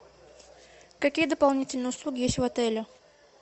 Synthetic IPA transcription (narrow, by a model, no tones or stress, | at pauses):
kɐkʲijəd̪əpalˠnʲitʲɪlʲnəjʊslˠuɡʲɪjesʲtʲvat̪ɛlʲʊ